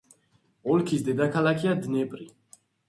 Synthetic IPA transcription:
ɔlkʰisd̪ɛd̪akʰalakʰiad̪nɛpʼɾi

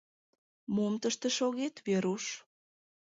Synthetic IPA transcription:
momt̪əʃt̪ĕʃoɣet̪βeɾuʃ

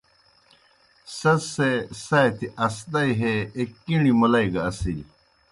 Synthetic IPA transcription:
sɐsesɐjt̪iʔɐsd̪ɐjɦeːkːiɳimulɐiɡɐːsii

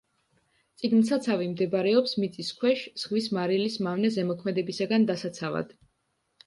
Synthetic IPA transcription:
t̪sʼiɡnsat̪sʰavimd̪ɛbaɾɛɔpsmit̪sʼiskʰwɛʃz̥ʁvismaɾilismavnɛzɛmɔkʰmɛd̪ɛbisaɡand̪asat̪sʰava̰d̪̥

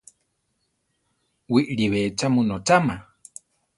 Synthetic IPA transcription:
wiʔɾiβet͡ʃamũnot͡ʃama

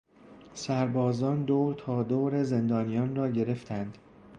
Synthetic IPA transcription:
sæɾbɒːzɒːnd̪oːwɾt̪ʰɒːd̪oːɾe̞ze̞nd̪ɒːnijɒːnrɒːɟe̞ɾe̞ft̪ʰænd̪̥

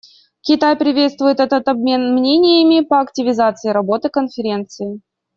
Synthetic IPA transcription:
kʲɪt̪ajpɾʲɪvʲe̞t̪st̪vʊjɪt̪ɛt̪ət̪ɐbmʲe̞nmnʲenʲɪjəmʲɪpəɐktʲɪvʲɪzat̪sɨɪɾɐbo̞t̪ɨkənfʲɪɾʲe̞nt̪sɨɪ

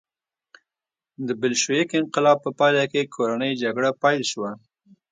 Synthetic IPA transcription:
d̪əbɪlʃoekɪnqɪlɑb̚pəpɑjlakekʰoɾanəjd͡ʒaɡɽapɑjlʃwa

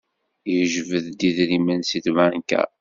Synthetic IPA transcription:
jəʒvəðd̪iðɾimænsiθvænkæ̰

